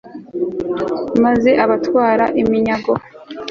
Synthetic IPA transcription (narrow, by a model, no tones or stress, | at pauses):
maze̞ʔaβatwaːɾaʔimiɲaɡo